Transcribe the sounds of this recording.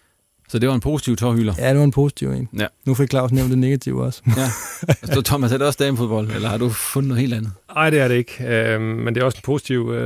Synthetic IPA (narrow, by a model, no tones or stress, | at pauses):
sɒ̽d̥e̝ʋɑ̈enpʰo̝ːsi̥t͡sʰiʊt͡sʰɒhylɐjæd̥e̝ʋɑenpʰo̝ːsit͡sʰiʊḛːnnufeɡkʰlɑ̈ʊsneʊ̰nd̥e̝ne̝ɡ̥æt͡sʰiʊ̰ɒ̽sæɒsɒt͡sʰɒmæshæd̥eɒ̽sd̥ɛmfo̝ðˠb̥ɒ̽l̰elɐhɑ̈d̥ufɔnð̩nɔð̩ˠhe̝̰ːld̥ænð̩ˠɑ̈ɪ̰d̥eæɐɾe̝eɡ̥ømend̥e̝æɒsenpʰo̝ːsi̥t͡sʰiʊ̰